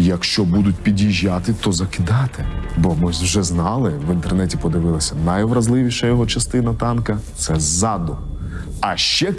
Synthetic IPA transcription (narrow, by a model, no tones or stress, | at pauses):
jɐkʃt͡ʃɔbud̪ʊt̚ʲpʲidʲjiʒʲːat̪ɪt̪ɔzɐkɪd̪ɑt̪ɪbɔmɪwʒɛznɑlˠɪʋɪnt̪ernɛtʲipɔd̪ɪʋɪlˠɐsʲɐnɐjɔʋɾɐzlˠɪʋʲiʃɐjɔɦɔt͡ʃɐst̪ɪnɐt̪ɑnkɐt̪sɛzɑd̪ʊ | ɐʃt͡ʃɛ